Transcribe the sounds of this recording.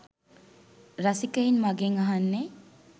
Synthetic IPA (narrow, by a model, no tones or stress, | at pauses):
ɾasikəinmaɡeŋaɦanːe